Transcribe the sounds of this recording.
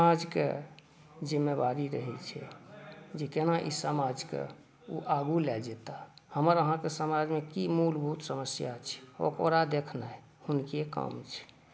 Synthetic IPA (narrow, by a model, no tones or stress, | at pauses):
səad͡ʒkḛ | d͡ʒimːebaɾiɾə̰ɦḭlt͡ʃʰɛ̰ | d͡ʒekenaʔḭsəmad͡ʒkḛ | uʔaɡulɛld͡ʒet̪ahəməɾəɦãkesəmad͡ʒmekimulbʱut̪səməsjat͡ʃʰɛ̥o̰kəɾad̪ekʰnaj | hunkekə̰mt͡ʃʰɛ̥